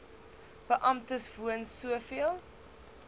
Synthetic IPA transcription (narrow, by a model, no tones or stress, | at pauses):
b̥əʔɐmtəsvuənsuəfiəlˠ